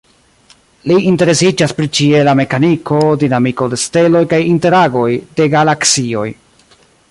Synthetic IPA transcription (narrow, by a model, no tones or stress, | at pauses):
liʔinte̞ɾe̞sid͡ʒaspɾit͡ʃie̞lame̞kanikʰo̞dinamiko̞de̞ste̞lo̞jkajinte̞ɾaɡo̞jde̞ɡalaksio̞̰j